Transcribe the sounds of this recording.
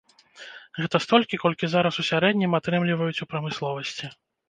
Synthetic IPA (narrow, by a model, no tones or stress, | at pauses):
ɣɛt̪ɐst̪ɔlʲkʲikɔlʲkʲizaɾɐsusʲaɾɛd̪ʲnʲimat̪ɾɛmlʲivɐjut͡sʲupɾɐmɨslˠɔvɐsʲt͡sʲi